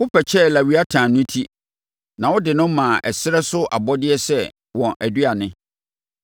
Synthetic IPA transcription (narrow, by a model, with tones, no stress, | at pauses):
wʊ˦pʰɛ˨t͡ɕʰɛ˦˨la˨wɥa˦tʰãː˨nʊ̃˦tʰi˦ | nã˨wʊ˦dɪ˨nʊ̃˦mã˨ʔɛ˨sɪ˦ɾɛ˦sʊ˦ʔa˨bɔ˦dɪ˦ɛ˦sɛ˦˨ | wɔ̃˨ʔæ˨dɥa˨nɪ̃˦